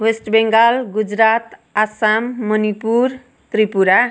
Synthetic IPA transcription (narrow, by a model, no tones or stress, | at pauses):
wesʈbeŋɡalɡud͡zɾat̪asamːʌnipur | t̪ripuɾa